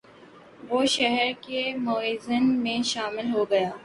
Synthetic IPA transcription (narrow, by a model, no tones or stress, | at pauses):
ʋoːʃɛɦɛɾkemoːizənmẽʃaːmɪlɦoɡɐjaː